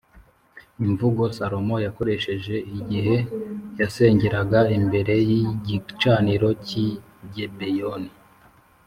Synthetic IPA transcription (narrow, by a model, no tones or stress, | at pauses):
iɱvuɡo̞saɾo̞mo̞jako̞ɾe̞ʃe̞ʒe̞iɟiɦe̞jase̞ːɲɟeɾaɡaimbe̞ɾe̞jiɟit͡ʃaːniɾo̞ci | ɟebejoni